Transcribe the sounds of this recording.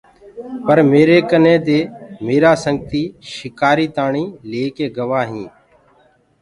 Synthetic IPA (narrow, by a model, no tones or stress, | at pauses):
pəɾmeːɾeːkənẽːd̪eːmeːɾaːsəŋɡt̪iːʃɪkaːɾiːt̪aːɳiːleːkeːɡəʋaːɦĩː